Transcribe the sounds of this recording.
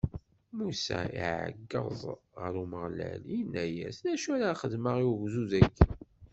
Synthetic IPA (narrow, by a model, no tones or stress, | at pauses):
musæ̰ḭʕə̰ɡːə̰zˤʁəɾuməʁlæ̰linæjæsnæʃæɾaχəðməʁiuʝzuðækːi